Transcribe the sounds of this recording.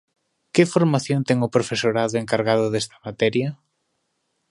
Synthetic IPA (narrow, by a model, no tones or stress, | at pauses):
kɪfoɾmaθjont̪ɛŋʊpɾofesoɾaðʊeŋkaɾɣaðʊðɛst̪ɐ̥mat̪ɛɾjɐ